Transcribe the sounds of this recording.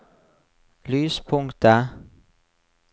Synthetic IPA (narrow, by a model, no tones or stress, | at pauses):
lyːspʰʊŋkt̪ə